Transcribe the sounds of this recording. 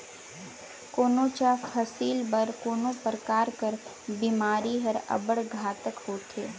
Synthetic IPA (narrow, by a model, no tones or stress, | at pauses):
koːnõːt͡ʃaːfʰɐsiːlbɐɾkoːnõpəɾkaːɾkəɾ | biːmaːɾiɦəɾɐ̰bəɽɡʱaːt̪əkhoːt̪eː